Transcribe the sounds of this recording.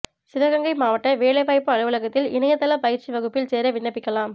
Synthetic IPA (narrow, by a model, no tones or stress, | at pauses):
sɪɾɐɣɐŋɡɐɪmaːʋɐʈːɐʋeːɭɐɪʋaːɪpːɯɐɭɯʋɐlɐɣɐt̪ːɪlɪnɐjɐt̪ːɐlɐpɐjɪɾt͡ʃːiʋɐɣɯpːɪlseːɾɐʋɪɳːɐpːɪkːɐlaːm